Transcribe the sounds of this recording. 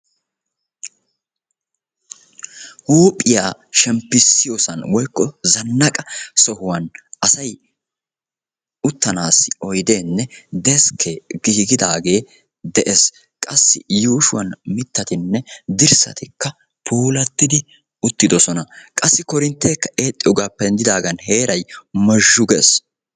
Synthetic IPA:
huːpʼːɪjaːʃɛmpːɪsːɪjosɐnwɔjkːɔzɐnːɐkʼɐsɔhʊwɐnɐsɐj | ʊt̪ːɐnaːsːɪ̥ɔjd̪e̞ːnːɛd̪ɛskʰːeɡɪhɪɡɪd̪aːɡe̞ː | d̪ɛʔes | kʼɐsːɪjuːʃʊwɐnmɪt̪ːɐt̪ɪnːɛd̪ɪɾsɐ̰t̪ɪkːɐ | pʰuːlɐt̪ːɪd̪ɪ | ʊt̪ːɪd̪ɔsɔnɐkʼɐsːɪkɔɾɪnt̪ːeːkːɐʔe̞ːt̪ʼːɪjɔɡaːpːɛnd̪ɪd̪aːɡɐnhe̞ːɾɐjmɐʒːʊɡɛs

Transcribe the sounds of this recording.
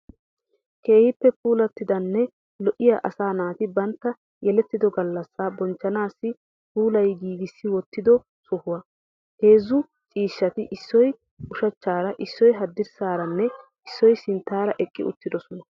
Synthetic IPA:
ke̞ːhɪpːɛpuːlɐt̪ːɪd̪ɐnːɛ | lɔʔɪjaʔɐsaːnaːt̪ɪbɐnt̪ːɐ | jɛlɛt̪ːɪd̪ɔɡɐlːɐsːaːbɔnt͡ʃːɐnaːsːɪ | puːlɐjɡiːɡɪsːɪwɔt̪ːɪd̪ɔ | sʊhʊwɐ | heːzːʊ | t͡ʃʼiːʃːɐt̪ɪʔɪsːɔj | ʊʃɐt͡ʃːaːɾɐʔɪsːɔjɦɐd̪ːɪɾsaːɾɐnːɛ | ɪsːɔjsɪnt̪ːaːɾɐʔɛkʼːɪ̰ʊ̰t̪ːɪd̪ɔsɔnɐ

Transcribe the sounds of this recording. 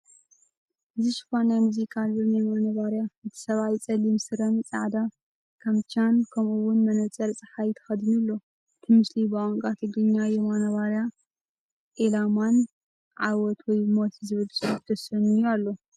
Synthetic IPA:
ʔɨziʃɨ̥fanajmuzikʰʼalɨnamanɐβaɾjaʔɨt̪ʰɨ̥sɐβajt͡sʼɐlimsɨɾɐnt͡sʼa̰ʕd̪a | kʰamt͡ʃʰankʰɐmuwʊnmɐnɐt͡sʼɐɾt͡sʼɐ̥ħajt̪ʰɐ̥xɐd̪ɨnulːo̞ | ɨt̪ʰɨmɨslibɨʔʼoŋkʼat̪ʰɨɡɾɨɲːajɛmanɐβaɾja | ʔelaman | ʕawɔt̪ʰwɔjmot̪ʰizɨβɨlsʼɨt̪ʰɐsɐnɨjualːo̞

